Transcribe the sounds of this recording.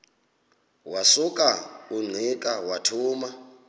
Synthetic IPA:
wasukʼauŋ͡ǀʱikʼawatʰuːma

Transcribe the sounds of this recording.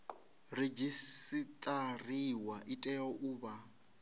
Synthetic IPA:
red͡ʒisit̪ʼariwaʔitʼɛɔʔuːba

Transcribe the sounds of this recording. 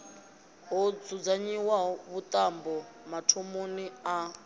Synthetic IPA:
ɦod͡zud͡zaɲiwaɔβut̪ʼambɔmatʰomonia

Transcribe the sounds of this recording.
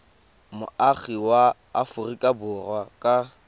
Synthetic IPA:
mʊaχiwaː | fʊrikʼabʊrwakʼa

